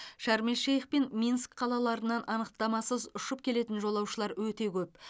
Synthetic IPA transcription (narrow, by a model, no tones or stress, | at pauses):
ʃæɾmeʃejχpe̞nmʲinskqʰɑlˠɑlˠɑɾənɑnʔɑnəqt̪ɑmɑsəzʊʃəp̚kʲʰe̞le̞t̪ɪnʒo̞lˠɑwʃəlˠɑɾwɵt̪e̞kʲʰɵp̚